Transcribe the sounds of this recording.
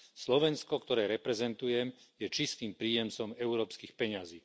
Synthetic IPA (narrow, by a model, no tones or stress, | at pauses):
slɔʋɛnskɔkt̪ɔɾɛːɾɛpɾɛzɛnt̪ujɛmjɛt͡ʃist̪iːmpɾiːjɛmt͡sɔmɛʊɾɔːpskiːxpɛɲaziː